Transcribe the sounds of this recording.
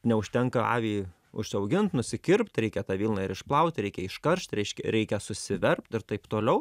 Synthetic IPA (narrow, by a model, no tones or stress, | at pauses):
nʲɛʊʃʲt̪ʲɛŋkɐɑ̰ːʋʲiːj | ʊ̰ʃʲsʲɐʊɡʲɪnt̪nʊsʲɪkʲɪrpt̪ɾʲɛɪkʲɛt̪ɑːʋʲiːlˠnɑɪɾɪʃplˠɐʊt̪ʲɾʲɛɪkʲɛɪʃkɐɾʃt̪ɾʲɛɪʃʲkʲɛɾʲɛɪkʲɛsʊsʲɪʋʲɛrp̚t̪ɪɾt̪ɐɪpt̪oːlʲɛʊ